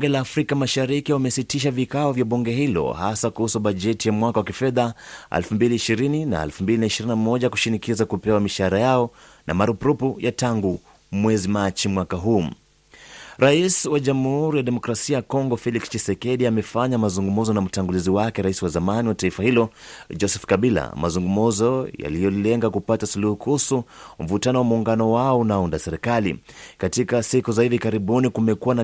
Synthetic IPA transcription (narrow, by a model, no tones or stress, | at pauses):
uŋɡɛlaːfɾikamaʃaɾikiwamɛsitiʃ̬avikaɔvjaɓuŋɡɛɦilɔ̰hasakuhusuɓaʄɛtijamwakawakifɛðaa̰lfumbiliːʃiɾinina̰ɛ̰lfumbilinaiʃiɾinamɔʄaku̥ʃinikizakupɛwamiʃaɾajaɔ | na̰maɾupɾupujataŋɡu | mwɛzimat͡ʃimwakaɦuː | ɾaiswaʄamuhuɾijaɗɛmɔkɾasiajakɔŋɡɔfɛlikst͡ʃisɛkɛɗiamɛfaɲamazuŋɡumuzɔnam̩taŋɡuliziwakɛɾaisiwazamaniwataifahilɔd͡ʒɔsɛfkaɓila̰ma̰zuŋɡumuzɔja̰lijɔlilɛŋɡakupatasuluhukʰusum̩vutanɔwamuːŋɡanɔwaɔunaundasɛɾɛkalḭ | katikasikuzahivikaɾiɓunikumɛkuwana